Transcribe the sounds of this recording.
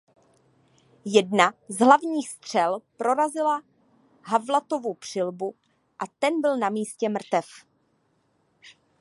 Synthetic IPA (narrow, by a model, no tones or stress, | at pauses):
jɛdnazɦlavɲiːxst̪r̝̥ɛlpɾo̞ɾazɪla | ɦavlat̪o̞vopr̝̥ɪlbu | ʔat̪ɛnbɪlnamiːscɛmr̩t̪ɛf